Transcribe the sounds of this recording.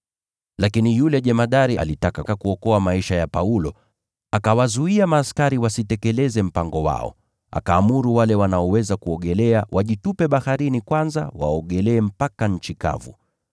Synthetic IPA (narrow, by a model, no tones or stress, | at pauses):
lakinijulɛʄɛmaɗaɾiʔa̰litakakakuɔkɔamaiʃajapaulɔ | akawazuiamaːskaɾiwasitɛkɛlɛzɛm̩paŋɡɔwa̰ɔ̰ | a̰kaːmuɾuwalɛwanaɔwɛzakuɔɠɛlɛawʔaʄitupɛɓahaɾinikwanza̰wa̰ɔɠɛlɛːm̩pakaɲ̩t͡ʃika̰vṵ